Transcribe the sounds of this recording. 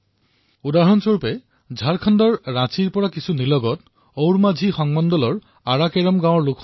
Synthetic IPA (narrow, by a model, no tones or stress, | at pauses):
udaɦɔnsoɹpɛ | d͡ʒʱaɹkʰɔndɔɹːat͡ʃiɹpɔɹakisʰunilɔɡɔt | owɹmad͡ʒʱixɔŋmɔndɔlɔɹ | aɹakɛɹɔmɡãwɔɹlʊkʰ